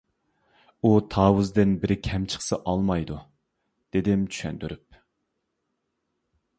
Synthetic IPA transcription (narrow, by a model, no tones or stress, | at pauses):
ut̪ʰɑːwuzd̪ɪnbɪɾkʲʰɛmt͡ʃʰə̥χsɨʔɑlˠmɑjd̪u | d̪̥ed̪ɪmt͡ʃʰy̥ʃɛ̰nd̪yɾyp̚